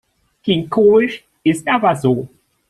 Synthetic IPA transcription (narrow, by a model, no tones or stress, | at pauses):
kɪŋkʰoːɪʃ | ʔɪstʔaːbɐzoː